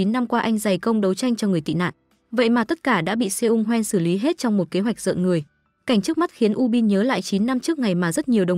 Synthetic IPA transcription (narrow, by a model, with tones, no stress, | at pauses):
i˨˦nːa˧mkwaː˧ʔa˧jŋ̟za˨˩jkə˧wŋ͡mɗə˨˦wt͡ɕa˧jŋ̟t͡ɕɔ˧ŋɨ˨˩əjt̪ḭ˧˨na̰ː˧˨nʔ | və̰˧˨jmaː˨˩t̪ə˦˥t̚kaː˧˩ɗa̰ː˧˥ɓḭ˧˨se˧ʔʊ˧ŋ͡mɦwɛ˧nsɨ˧˩li˨˦ɦe˦˥t̚t͡ɕɔ˧wŋ͡mmo˨˩t̚ke˨˦ɦwa˨˩k̚zə̰˧˨nŋɨ˨˩əj | ka˨˧˩ŋ̟t͡ɕɨ˦˥ək̚ma˦˥t̚xi˨˦ənʔu˧ɓi˧nɲəː˨˦la̰ː˧˨jt͡ɕi˨˦nːa˧mt͡ɕɨ˦˥ək̚ŋa˨˩jmaː˨˩zə˦˥t̚ɲi˨˩əwɗə˨˩